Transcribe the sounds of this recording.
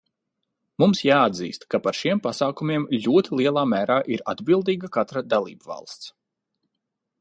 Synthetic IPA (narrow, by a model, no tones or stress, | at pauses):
mumsjaːad̪zḭːst̪kapaɾʃiɛmpasaːkumiɛmʎʲuɔt̪ʰilˠiɛlˠaːmæːɾaːʔiɾa̰d̪bilˠd̪iːɡakat̪ɾad̪alˠḭːbvɑ̰lˠst̪s